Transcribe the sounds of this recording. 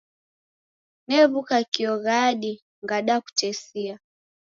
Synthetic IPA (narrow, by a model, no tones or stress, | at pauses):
nɛβukakiɔɣaɗi | ŋɡaɗaku̥t͡ʃɛsia